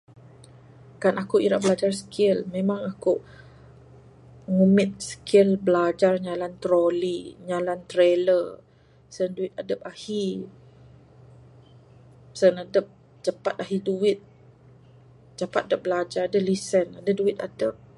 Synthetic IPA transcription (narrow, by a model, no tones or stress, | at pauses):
kanakuiɾaʔbəlad͡ʒarsə̥kʰɪlmẽmaŋaku | ŋumɪt̪̚sə̥kʰɪlbəlad͡ʒarɲalant̪ɾoliɲalant̪ɾelər | sənduɪt̪̚adəp̚ahi | sənadəp̚ | d͡ʒəpat̪̚aɦiduwɪt̪̚ | d͡ʒəpat̪̚adəp̚bəlad͡ʒaɾadəlisənadəduɪt̪adəp̚